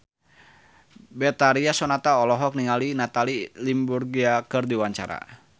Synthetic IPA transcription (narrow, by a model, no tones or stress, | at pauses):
bɛt̪aɾiasɔnat̪aɔlɔɦɔk̚niŋalinat̪alilimburɡiakɨrdiwaɲt͡ʃa̰ɾa̰